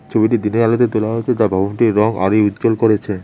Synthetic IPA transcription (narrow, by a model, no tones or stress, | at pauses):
t͡ɕʰobiʈid̪ineɾalot̪̬et̪olaɦot͡ɕʰed͡ʑabʱabonʈiɾɾɔŋa̰ɾejut̪ːd͡ʑolkoɾet͡ɕʰe